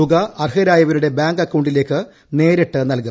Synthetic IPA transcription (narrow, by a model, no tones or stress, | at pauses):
uɡɐʔɐrɦɐɾaːjɐʋɐɾuɽe̞baːŋɡɐkːɐwɳɖile̞ːkːɨ | ne̞ːɾeʈːɨnɐlku